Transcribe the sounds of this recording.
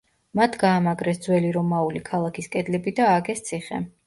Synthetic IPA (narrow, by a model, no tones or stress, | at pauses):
mat̪ʰɡaːmaɡɾɛsd̪zwɛliɾɔmaulikʰalˠakʰiskʼɛd̪lɛbid̪aːɡɛst̪sʰiχɛ̰